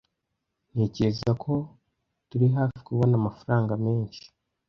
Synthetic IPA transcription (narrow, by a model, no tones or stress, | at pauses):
ne̞ːceezakʰo̞ | tuɾiɦaːfi̥kuβo̞namafaɾaːŋɡame̞ːɲʃi̥